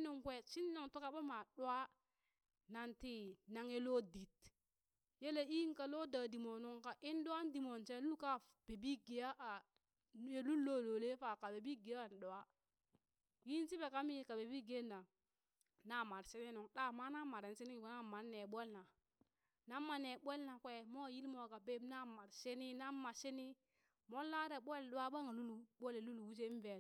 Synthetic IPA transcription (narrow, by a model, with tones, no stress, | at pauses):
nu˨ŋke˦˨tt͡ʃi˦n˦no˨ŋtu˦ka˦ɓo˦ma˨ɗwa˦ | na˨nti˦na˨ŋe˦lo˦di˨t̚ | je˦le˦i˦ŋ˦ka˨lo˦da˨di˨mo˨nu˦ŋka˨ʔi˦ndu˦a˦n˦di˨mo˨nt͡ʃe˦u˦ka˦ | b̥e˨bi˦ɡe˨ja˦ʔa˨ | e˨lu˦nlo˦˨lo˨le˦fa˨ka˨be˨bi˦ɡe˨ja˦˨n˨ɗo˨a˦ | ji˦n˦si˦be˨ka˦mi˦˨ka˨be˨bi˦ɡe˦˨nːa˨ | na˦˨ma˨ɾse˦ne˦nu˨ŋɗa˦ma˦na˦ma˨ɾe˨n˦se˦ni˦i˨ko˨˦na˦˨ma˨nːe˨ɓe˦lna˨ | na˦mːa˨ne˨ɓʷe˦lna˨kʷe˦˨mo˦˨ji˦lmo˨ka˨be˦mna˦ma˨ɾse˦ni˦na˦ma˨se˦ni˦ | mo˦lːa˦ɾe˨ɓʷe˦lɗo˦wa˦ɓa˦ŋa˨lu˦lɓo˦le˨lu˦lu˨wu˦s̬e˦i˦n˦ve˨